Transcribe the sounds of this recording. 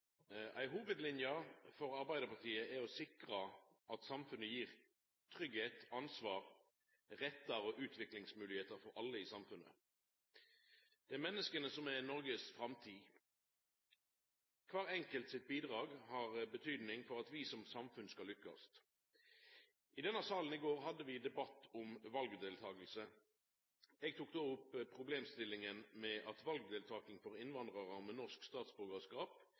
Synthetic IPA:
ʔæ̰ɪɦuːʋəd̪lɪnjɑfɔɾɑɾbæɪd̪əpɑt̪ʰiːəæɔsɪkʁəʔɑt̪sɑmfʉnəjiːʁ | t̪ʰʁʏɡheːt̪ɑnsʋɑːʁ | ʁɛt̪ːəɾɔʔʉːt̪ʰʋɪklɪŋsmʉːlɪheːt̪əɾfɔɾʔɑlːəɪsɑmfʉnə̰ | d̪̥ɛæmɛnːəskənəsɔmænɔɾɡəsfɾɑmt̪ʰiː | kʰʋɑːʁɛŋkəlt̪sɪt̪̚biːd̪ʁɑːɡhɑːʁbət̪ʰyːd̪nɪŋfɔʁɑt̪ʋiːsɔmsɑmfʉnskɑlːʏkːɑ̰st̪ | ʔɪd̪ɛnəsɑːlən̩ɪɡoːʁɦɑd̪ːəʋɪd̪ɛbɑt̪ːɔmʋɑlɡd̪eːlt̪ʰɑːɡəlsə | ɛɡ̚t̪ʰuːk̚d̪oːʊpːpʰːʁʊbleːmst̪ɪlːɪŋənmɛʔɑt̪ʋɑlɡ̚d̪eːlt̪ʰɑːkɪŋfɔʁɪnʋɑnd̪ʁəʁɑmɛnɔʁskst̪ɑːt̪sbʉʁɡəskɑːp

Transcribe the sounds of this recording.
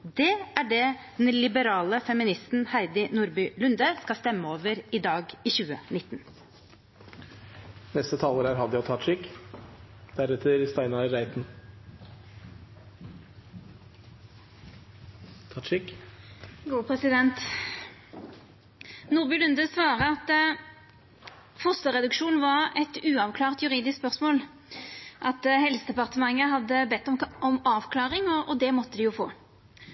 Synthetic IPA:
d̪ɛæɖɛd̪ɛlɪbəɾɑːləfɛmɪnɪst̪n̩hæɪd̪ɪnuːɾbʏlʉnd̪əskɑst̪ɛmːəoːʋəɾɪd̪ɑːɡiçʉːənɪt̪ːn | nɛst̪ət̪ʰɑːləɾæːɾɦɑd̪əjæt̪ʰɑːt̪ʂɪkː | d̪̥æɾɛt̪ʰəɾst̪æɪnɑɾæɪt̪n | t̪ʰɑʂɪk | ɡuːpʰʁɛsɪd̪ɛnt̪ | nuːʁbʏlʉnd̪əsʋɑːʁəɑt̪ | fɔst̪əʁɛd̪ʉkʃuːnʋɑʁɛt̪ʉːɑʋkʰlɑːʁt̪jʉʁiːd̪ɪskspœʁsmoːl | ʔɑt̪hɛlsəd̪ɛpɑʁt̪əmɑŋːəɦɑd̪ːəbɛt̪ːɔmɔmɑːʋkʰlɑːʁɪŋɔʔɔd̪ɛmɔt̪ːəd̪ɪjʊfo̰ː

